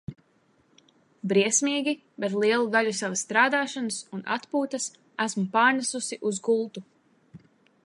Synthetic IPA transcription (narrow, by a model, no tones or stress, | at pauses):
bɾiɛsʲmiːɡʲi | bet̪lˠiɛlˠud̪aʎʲusavasːt̪ɾaːd̪aːʃanɨsunʔa̰t̪puːt̪as | æsmupaːɾnasusiʔuzɡulˠt̪u